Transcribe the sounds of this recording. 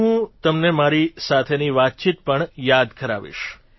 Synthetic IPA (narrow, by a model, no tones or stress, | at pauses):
ɦũt̪əmnemaɾisat̪ʰeniʋat̪̚t͡ʃit̪̚pəɳjad̪kəɾa̰ʋḭʃ